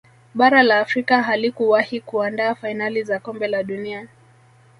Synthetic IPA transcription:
ɓaɾalaːfɾikaɦalikuwahikuandaːfainalizakɔmbɛlaɗunia

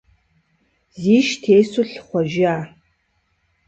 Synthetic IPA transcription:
ziːʃtʰeːsʊɬχʷɔʒɪaː

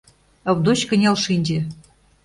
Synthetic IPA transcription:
ɤ̆βd̪ot͡ɕkə̆nʲɑlʃinʲd͡ʑĕ

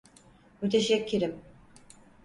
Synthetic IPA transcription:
mut̪ʰeʃɛcʰːiɾim

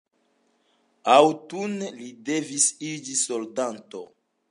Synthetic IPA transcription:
awtunlide̞visid͡ʒisoldanto

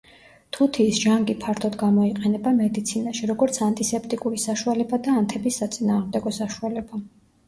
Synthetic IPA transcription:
t̪ʰut̪ʰiːsʒ̥aŋɡipʰaɾt̪ʰɔd̪ɡamɔiqʼɛnɛbamɛd̪it̪sʰinaʃiɾɔɡɔɾt̪sʰant̪ʼisɛpʰt̪ʼikʼuɾisaʃualɛbad̪aːnt̪ʰɛbisːat̪sʼinaːʁmd̪ɛɡɔsaʃualɛba

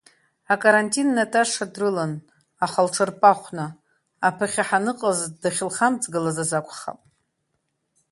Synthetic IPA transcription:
akʼaɾantʼinːatʰaʂadrɨlan | aχalʈ͡ʂʰarpʼaχʷnaː | pʰaχʲaħanɨqʼazdaχʲɪlχamt͡sʼɡɨlazazakʷʰʼχa̰pʼ

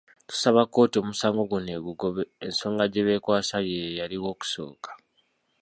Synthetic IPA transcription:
tu̥saβako̞ːtio̞ːmusaːŋɡo̞ɡune̞βuɡo̞βeːnso̞ːŋɡaɟeβe̞kwaːsajeejaliwo̞ːku̥so̞̰ːkḁ

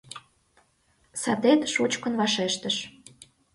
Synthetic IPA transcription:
sɑt̪et̪ʃut͡ɕkə̆nβɑʃeʃt̪ə̆ʃ

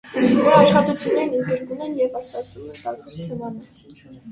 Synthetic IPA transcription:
ɑʃχɑt̪ut͡sʰjunːɛɾnənɡəɾkumɛnjɛvɑɾt͡sɑt͡s̪umɛnt̪ɑɾvɔɾt̪ʰɛmɑnɛ

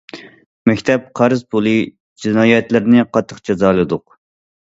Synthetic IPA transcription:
mɛkʲt̪ʰɛp̚qʰɑɾɨzpʰulˠɨ | d͡ʒinɑːjɛt̪lɪɾnɪqʰɑt̪ʰːəqd͡ʒɛzɑːlˠɨd̪ʊq

